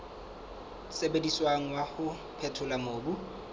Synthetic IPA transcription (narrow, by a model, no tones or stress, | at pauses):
sebediswaŋ̩wahʊ | pʰɛtʰʊlamoːbu